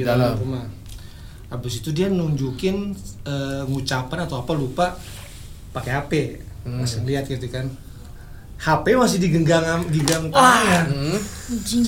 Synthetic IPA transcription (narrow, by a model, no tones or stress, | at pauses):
idalamɾuma | abɪsit̪udianuɲd͡ʒukɪnəŋut͡ʃapanat̪awapalupa | pakeapɛ | masɪŋliat̪̚kit̪ukan | hapaamas̬ɪhdiɡəɡaŋaɡəɡaŋka | d͡ʒ